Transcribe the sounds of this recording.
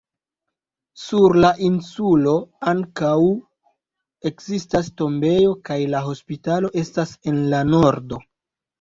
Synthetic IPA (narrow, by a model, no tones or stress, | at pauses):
suɾlaʔinsulo̞aŋkaw | e̞kzistas̬to̞mbe̞jo̞kajlaɦo̞spitalo̞ʔe̞stase̞nlano̞ɾdo̞